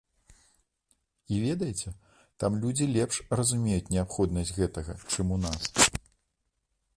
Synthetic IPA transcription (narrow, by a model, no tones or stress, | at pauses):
ivʲɛd̪ɐjɛt͡sʲɛ | t̪amlʲud͡zʲilʲɛpʂrɐzumʲejut͡sʲnʲɛapxɔd̪nɐsʲd͡zʲɣɛt̪ɐɣɐt͡ʂɨmunas